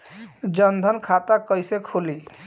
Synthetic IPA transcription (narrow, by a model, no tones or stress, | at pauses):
d͡ʒənd̪ʱənkʰat̪akɔjsekʰoli